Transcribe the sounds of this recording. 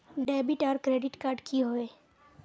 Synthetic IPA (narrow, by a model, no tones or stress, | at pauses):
ɖɛːbɪʈɔːɾkɾeːɖɪʈkaːɾɖkʰiɦoeː